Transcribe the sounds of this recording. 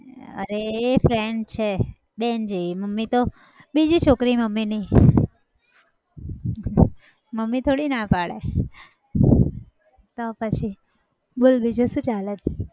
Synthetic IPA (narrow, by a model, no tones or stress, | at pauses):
ə̰ɾeːfɾeɳɖ̚t͡ʃʰe | bend͡ʒiiməmːit̪o | bid͡ʒit͡ʃʰokɾiməmːini | məmːit̪ʰoɽinapaɭḛ | t̪opət͡ʃʰi | bolbid͡ʒuʃũt͡ʃalət̪